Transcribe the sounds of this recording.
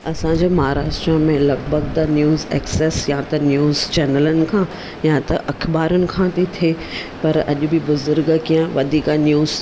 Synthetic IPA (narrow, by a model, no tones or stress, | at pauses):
ɐsãɲd͡ʑeːmɐɦaːɾaːʃʈɾəmẽlɐɡbʱəɡ̚t̪ɐnjuːzɛ̰ːkseːsjãt̪ɐnjuːzt͡ɕɛːnələnɪ̆kʰãː | jãt̪ɐʔɐkʰbaːɾʊnɪ̆kʰãːt̪ʰit̪ʰeː | pɐɾɐ̰ʄʊ̆bʱɪbʊzʊɾɡkijə̃ʋɐd̪ʱiːkanjuːz